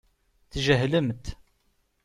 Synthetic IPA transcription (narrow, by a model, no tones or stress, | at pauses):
θʒəɦləmt̪